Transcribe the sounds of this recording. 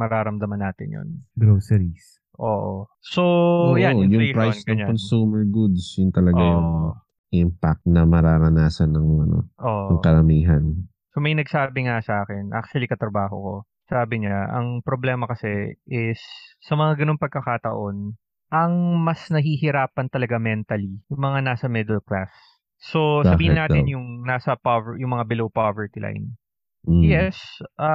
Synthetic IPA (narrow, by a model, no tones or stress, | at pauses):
mɐɾaːɾɐmd̪ɐmɐnːaːt̪ɪnjo̰nɡɾoːsɛɾis | ʔoːʔoso̞jajʊŋpɾajsnɐŋɲonsuːmɛɹɡud̪sjʊnt̪ɐlɐɡajʊŋ | ʔɪmpak̚t̪nɐmɐɾaːɾɐnaːsɐnːɐŋɐ̰no̰ʔoːʔʊŋkɐɾɐmiːɦɐn | somɐjnɐɡsaːbɪŋasɐʔaːkɛnʔa̰k̚t͡ʃɐlikɐt̪ɾɐbaːɦo̞̰ko̞ | saːbɪɲaʔɐ̰ŋpɾoblɛːmɐkɐsɛʔɪsːɐmɐŋaɡɐno̞ŋpɐɡ̚kɐkaːt̪ɐ̰ʔo̞n | ʔɐŋmɐsnɐɦiːhɪɾaːpɐnt̪ɐlɐɡamɛnt̪ɐlijʊŋmɐŋanaːsɐmɛd̪ɛlkla̰sː | o̞sɐbiːhɪnaːɪnjʊŋnaːsɐpovjʊŋmɐŋabɪlowpovɛɹt̪ilʔa̰jn̩ | jɛsʔɐ